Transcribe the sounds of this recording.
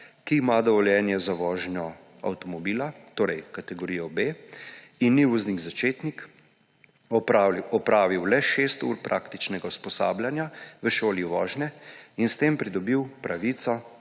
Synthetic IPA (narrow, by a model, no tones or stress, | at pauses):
kiːmad̪ɔʋɔljɛːnjɛzaʋɔːʒnjɔ | a̰wt̪ɔmɔbiːlat̪oːɾɛjkat̪ɛɡɔɾijɔbe | inːiʋɔzniɡzat͡ʃeːt̪nik | ɔpɾaːʋiwlɛʃeːst̪ṵɾpɾʔaːkt̪it͡ʃnɛɡauspɔsa̰ːbljanjaʋəʃoːliʋɔːʒnɛinst̪eːmpɾid̪ɔbiwpɾaʋit̪sɔ